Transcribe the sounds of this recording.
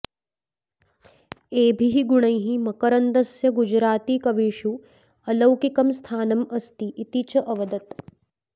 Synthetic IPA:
eːbʱiɦiɡuɳɐjɦimɐkɐɾɐnd̪ɐsjɐɡud͡ʒɾaːt̪iːkɐʋiːʃu | ɐlɐwkikɐmst̪ʰaːnɐmɐst̪iʔːt̪it͡ʃɐʔɐʋɐd̪ɐt̪

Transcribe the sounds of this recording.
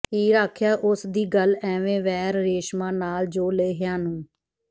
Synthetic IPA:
ɦiːɾaːkʰjaːʔʊsd̪iːɡəlɛːʋẽːʋɛːɾɾeːʃmãːnaːld͡ʒoːleːɦɪjãːnũː

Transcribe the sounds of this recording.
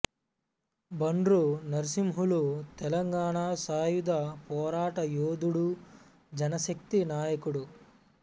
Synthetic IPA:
bɐɳɾunɐɾsimɦulut̪ɛlɐŋɡaːɳaːsaːjud̪apɔːɾaːʈɐjoːd̪uɽu | d͡ʒɐnɐʃɐk̚t̪inaːjɐkuɽu

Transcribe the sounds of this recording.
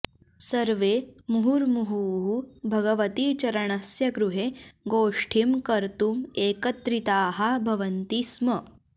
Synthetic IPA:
sɐɾʋemuɦuɾmuɦuɦubʱɐɡɐʋɐt̪iːt͡ʃɐɾɐɳɐsjɐɡɾuɦeɡoːʂʈʰimkɐɾt̪umeːkɐt̪ɾit̪aːɦɐbʱɐʋɐnt̪ismɐ

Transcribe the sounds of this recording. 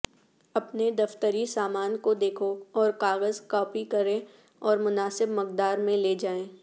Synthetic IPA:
ɐpned̪ɐft̪əɾisaːmaːnkod̪eːkʰoɔːɾkaːɣəzkɔːpikɐɾẽ | ɔːɾmʊnaːsɪbmɐk̚d̪aːɾmẽleːd͡ʒaːẽː

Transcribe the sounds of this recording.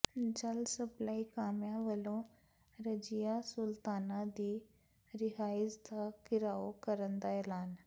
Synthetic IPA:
d͡ʒəlsɐplaːikaːmjãʋəlõ | ɾɐd͡ʑijasʊlt̪aːnad̪iː | ɾɪɦaːɪsd̪akɪɾaːokɐɾə̃nd̪aelaːn

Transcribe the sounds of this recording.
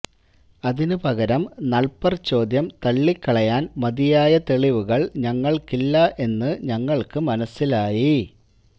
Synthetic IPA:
ɐðinɨpɐɣɐɾɐmnɐɭpɐrt͡ɕːo̞ːd̪jɐmt̪ɐɭːikːɐɭɐjaːnmɐðijaːjɐt̪e̞ɭiʋuɣɐɭɲɐŋːɐɭkilːɐʔe̞nːɨɲɐŋːɐɭkɨmɐnɐsːilaːji

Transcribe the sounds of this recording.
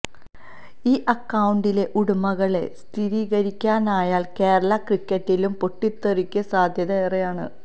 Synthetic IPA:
iːʔɐkːɐwuɳɖile̞ʔuɽumɐɣɐɭe̞̰st̪ʰiɾiːɣɐɾikʲːaːnaːjaːlke̞ːɾɐɭɐkrikːɐtːilumpo̞ʈːit̪ːerikʲːɐsaːd̪ʱjɐðɐerejaːɳɨ̰

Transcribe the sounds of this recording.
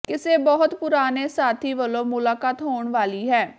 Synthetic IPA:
kɪseːbɔɦʊt̪pʊɾaːneːsaːt̪ʰiːʋəlõːmʊlaːkaːt̪ɦoːɳʋaːliːɦɛː

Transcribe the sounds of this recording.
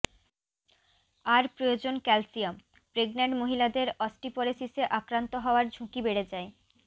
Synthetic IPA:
aɾpɾojod͡ʑonkɛlsiam | pɾeɡnaɳɖmoɦilad̪eɾɔsʈipɔɾesiseʔakɾant̪oɦɔoaɾd͡ʑʱukibeɽed͡ʑae

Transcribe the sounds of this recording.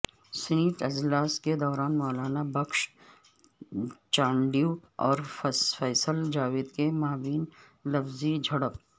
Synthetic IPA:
sɪniːʈɐd͡ʒlaːsked̪ɔːɾaːnmɔːlaːnabɐkʃ | t͡ʃãːɳɖiuɔːɾffɛːsəld͡ʒaːʋiːd̪kemaːbiːn | lɐfzid͡ʒʱɐɽəp

